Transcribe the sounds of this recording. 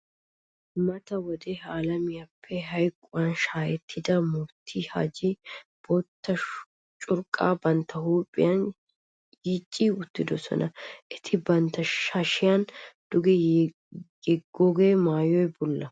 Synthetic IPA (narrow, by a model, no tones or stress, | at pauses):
mɐt̪ɐwɔd̪ɛhaːlɐmɪjapʰːɛɦɐjkʼːʊwɐnʃaːjɛt̪ʰːɪd̪ɐmʊbt̪ʰːiha̰ːd͡ʒɪb̥ɔt̪ʰːɐ | t͡ʃʼʊɾkʼːaːbɐnt̪ʰːɐhuːpʼːɪ̰jɐn | jit͡ʃʼːiʊt̪ːɪd̪ɔsɔ̰nʔɐʔɛt̪ʰɪbɐnt̪ːɐʃɐʃɪjand̪̥ʊɡɛ | jɛɡːɔɡeːmaːjɔjbʊlːɐ